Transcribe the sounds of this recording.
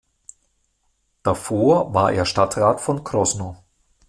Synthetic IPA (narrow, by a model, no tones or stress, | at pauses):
d̥afoːɐva̰ːɐʔḛːɐʃtatʁaːtfɔnkʁ̥ɔsnoː